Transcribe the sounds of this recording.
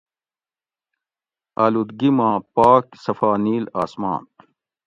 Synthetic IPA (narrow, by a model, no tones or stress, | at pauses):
a̰ːlud̪ɡimãːpaːksɐfaːniːlaːsma̰ːn